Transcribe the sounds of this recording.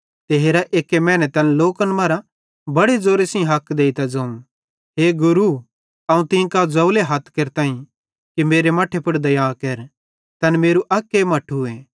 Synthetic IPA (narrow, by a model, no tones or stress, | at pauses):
t̪eɦeːɾaʔeːkːemɛːnɛt̪ɐnloːkənmɐɾa | bɐɽed͡zoːɾesĩɦɐkd̪eːit̪ad͡zɐũ | ɦeːɡʊɾu | ɐũt̪ɪ̃kad͡zɐʊleɦɐt̪ʰkeɾt̪aːĩ | kimeːɾemaːʈʰepʊɽd̪ɐjaːkeɾ | t̪ɐnmeːɾuʔɐkːemɐʈʰuẽː